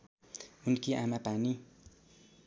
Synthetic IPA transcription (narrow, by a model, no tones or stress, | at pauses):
munkiʔamapani